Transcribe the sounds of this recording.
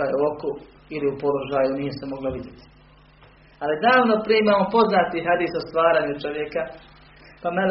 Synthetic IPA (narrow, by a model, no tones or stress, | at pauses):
ajoku | iliupo̞lo̞ʒaːjunije̞semo̞ɡloʋid̪jet̪i̥ | alid̪aːʋno̞pɾijeimaːmopo̞znaːt̪iɦad̪iːsost̪ʋaːɾaːɲut͡ʃo̞ʋjeka | pamal